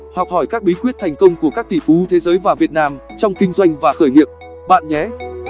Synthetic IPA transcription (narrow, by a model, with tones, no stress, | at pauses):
hɔ˨˩k͡p̚hɔ˧˩jkaː˦˥k̚ɓi˨˦kwi˦˥ət̚t̪ʰɛ˨˩jŋ̟kə˧wŋ͡mku˧˩əkaː˦˥k̚t̪ʰḭ˧˩fu˨˦t̪ʰe˨˦zəː˨˦jvaː˨˩vi˨˩ət̚naː˧mt͡ɕɔ˧wŋ͡mkï˧ŋ̟zwa˧jŋ̟vaː˨˩xəː˧˩jŋḭ˨əp̚ | ɓa̰ː˧˨nɲɛ˨˦